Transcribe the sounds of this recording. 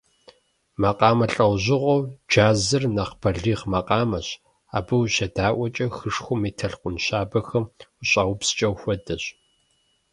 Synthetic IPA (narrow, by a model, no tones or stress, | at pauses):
mɐqʼɑːmɐɬʼɐwʑɪʁʷowd͡ʒaːzɨrnɐqb̥ɐɮiːʁmɐqʼɑːmɐɕ | a̰ːbɐwɕɐdaːʔʷɔt͡ʃʼɐxɨʂxʷʊmiːtʰɐɬqʷʊnɕaːbɐxɐmʊɕʼɐwʊpst͡ʃʼɐwxʷɔdɐɕ